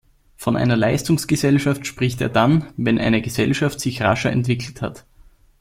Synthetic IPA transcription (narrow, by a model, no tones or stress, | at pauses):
fɔnʔa̰ɪnɐla̰ɪstʊŋsɡ̥əzɛlʃaftʃpʁ̥ɪçtḛːɐdanvɛnʔa̰ɪnəɡəzɛlʃaftsɪçʁa̰ʃɐɛ̰ntv̥ɪkʰl̩tha̰t